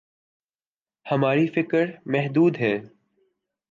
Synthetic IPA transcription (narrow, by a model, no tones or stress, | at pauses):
hɐmaːɾifɪkəɾmɛɦd̪uːd̪ɦɛː